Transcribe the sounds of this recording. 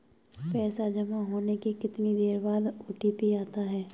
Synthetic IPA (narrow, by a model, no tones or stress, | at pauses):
pɛːsad͡ʒɐmaɦoːnekekɪt̪nid̪eːɾbaːd̪ʊʈipiaːt̪aɦɛː